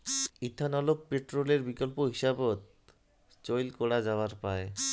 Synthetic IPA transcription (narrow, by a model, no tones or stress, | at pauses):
it̪ʰːanɔlopːeʈɾoleɾbikolpoɦiʃabot̪̚ | t͡ɕojlkɔɽad͡ʑaoaɾpae